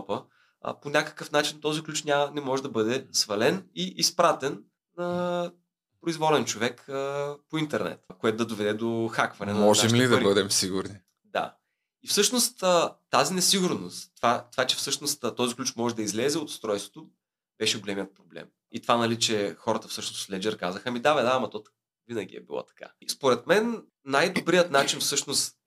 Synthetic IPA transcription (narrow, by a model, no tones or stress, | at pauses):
pə̰ | ponʲakə̥kəfnat͡ʃint̪ɔziklʲut͡ʃnʲanɛmɔʒɛd̪ɐbɤd̪ɛsvɐlɛniʔispɾat̪ɛnː | ɐ | pɾoizvɔlɛnt͡ʃovɛkəpoint̪ɛɾnɛ̰t̪koɛt̪ʊd̪ɐd̪ovɛd̪ɛd̪oxakvɐnɛnmɔʒaɛʃmlid̪ɐɾibəd̪ɛmsiɡʊɾni | d̪a̰ | ifsɤʃnost̪ət̪azinɛsiɡʊɾnost̪ːvat̪ovat͡ʃɛ̥fsɤʃnost̪t̪ɔziklʲut͡ʃmɔʒɛd̪ɐizlɛzɛot̪st̪ɾɔjst̪vo̥t̪oʊ | b̥ɛʃɛɡolɛmijət̪̚pɾoblɛ̰m | it̪vanɐlit͡ʃɛxɔɾət̪əfsɤʃnoslɛd͡ʒɛɾkazəxəmid̪avɛd̪amɐt̪ɔt̪ | vinəɡʲḭɛ̰bilˠɔ̰t̪ɐ̥ka̰spoɾɛt̪mɛnː | ajd̪obɾijət̪nat͡ʃinfsɤʃnost̪